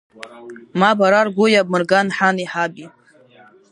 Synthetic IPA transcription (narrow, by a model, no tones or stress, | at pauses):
mabaɾarɡʷʊjab̚mɨrɡanħaniħabi